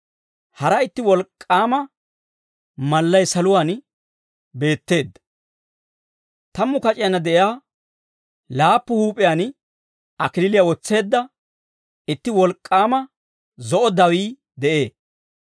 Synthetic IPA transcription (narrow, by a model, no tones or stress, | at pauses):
hɐɾɐɪt̪ːɪwɔlkʼːaːmɐ | mɐlːɐjsɐlʊwaːn | be̞ːt̪ːe̞ːd̪ːɐ | t̪ɐmːʊkɐt͡ʃʼɪjɐnɐd̪ɛʔjaː | laːpːʊhuːpʼɪjaːn | ɐkɪlɪlɪjawɔt͡sːe̞ːd̪ːɐ | ɪt̪ːɪwɔlkʼːaːmɐ | zɔʔɔd̪ɐwiː | d̪ɛʔe̞ː